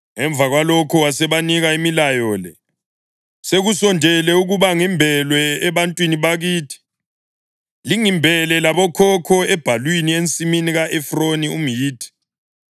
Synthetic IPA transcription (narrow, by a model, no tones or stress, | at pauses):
ŋɛɱb̪vʱaɣwalɔkʰɔwasɛβaniɣaimilajɔːlɛ | seɣusɔndʱɛlɛuɣuβaŋimbʱɛlwɛːβantʼwiniβaɣiːtʰi̥ | liŋimbʱɛlɛlaβɔkʰɔkʰɔɛb̥ʱalwinient͡sʼiminiɣaʔɛfronium̩jiːtʰi̥